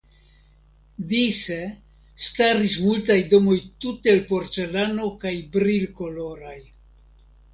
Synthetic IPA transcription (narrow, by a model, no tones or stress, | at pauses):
dise | staɾis̬multajdo̞mo̞jtuteelpo̞ɾt͡se̞lano̞kajbɾilko̞lo̞ɾaj